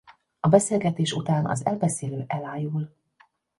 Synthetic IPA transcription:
ɒbɛseːlɡɛt̪eːʃut̪aːnɒ̰zɛlbɛseːløːʔɛlaːjul

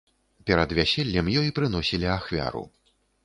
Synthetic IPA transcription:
pʲɛɾɐd̪vʲasʲɛlʲːɐmjɔjipɾɨnɔsʲilʲiaxvʲa̰ɾṵ

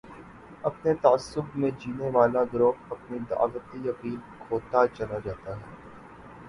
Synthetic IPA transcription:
ɐpnet̪aːsːʊbmẽd͡ʒiːneʋaːlaɡɾoːpɐpnid̪a̰ːʋət̪ijɐqiːlkʰoːt̪at͡ʃɐlad͡ʒaːt̪aɦɛː

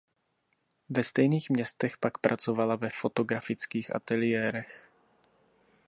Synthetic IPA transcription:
vɛst̪ɛjniːxmɲɛst̪ɛxpakpɾʔat͡so̞valavɛfo̞t̪o̞ɡɾafɪt͡skiːxʔa̰t̪ɛlɪjɛːɾɛx

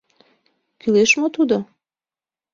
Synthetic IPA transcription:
kyleʃmot̪ud̪o

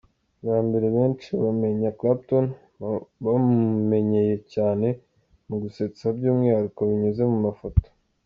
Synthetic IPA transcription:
βaːmbe̞ɾeβe̞ːnt͡ʃiβame̞ɲaklap̚ton | βamume̞ɲe̞je̞caːne̞ | muɡuset͡sesabɟuːmŋihaɾukoβiɲeze̞mumafoto̥

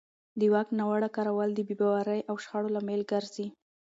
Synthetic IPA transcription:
d̪əwaknawaɽakaɾawald̪əbebawaɾajʔawʃxaɽolamelɡaɾzi

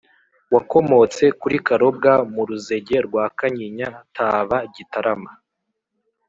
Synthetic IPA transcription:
wako̞mo̞t͡se̞kuɾikaɾo̞b̚ɡamuɾuze̞ɟe̞ɾɡwaːkaɲiɲatʰaːβaɟitaɾama

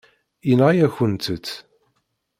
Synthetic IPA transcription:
inʁjæçənt̪ət̪ː

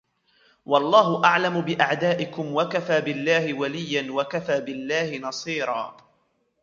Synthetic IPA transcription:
wɑlˤːɑːɦʊʔaʕlamʊbɪʔaʕd̪aːʔɪkʊmwakafaːbɪlːaːhɪwalɪjːanwakafaːbɪlːaːhɪnɑsˤiːɾˤɑ̰ː

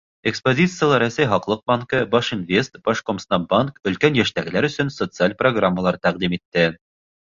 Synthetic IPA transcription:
ekspozʲit̪sɨjəlˠɑɾæsæjɦɒqlˠɤq̚bɑŋkɤbɒʃinvʲe̞st̪b̥ɑʃkomst̪ɑmbaŋkɵ̆lkænjæʃt̪æɡɘ̆læɾɵ̆sɵnsot̪sɨalʲproɡramːəlˠɑɾt̪æqd̪imit̪ːɘ

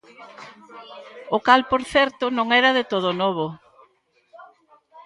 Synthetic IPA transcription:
ʊkalpoɾθɛɾt̪ʊnõŋɛɾɐðɪt̪oð̞ʊnɔβ̞o

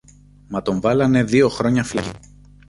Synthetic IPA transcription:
mɐt̪o̞ɱvɐlɐne̞ðio̞xɾo̞ɲɐflḭ

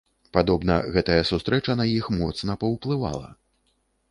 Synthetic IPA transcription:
pad̪ɔbnɐ̰ɣɛt̪ɐjɐsust̪ɾʔɛt͡ʂɐnajixmɔt̪sn̪ɐpɐwplˠɨva̰lˠɐ̰

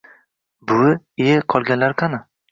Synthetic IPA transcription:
bʊeqʰɒlˠɡʲanlaɾkʰanɪ

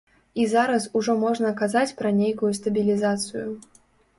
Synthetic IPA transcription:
izaɾɐsuʐɔmɔʐnɐkazat͡sʲpɾɐnʲejkujust̪ɐbʲilʲizat̪sɨju

